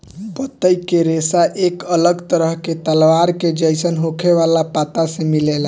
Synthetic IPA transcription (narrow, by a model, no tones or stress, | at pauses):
bət̪ːəjkeɾesaʔekələɡt̪əɾəɦket̪əlʋaɾked͡ʒəjsənɦokʰeʋalapat̪asẽmilela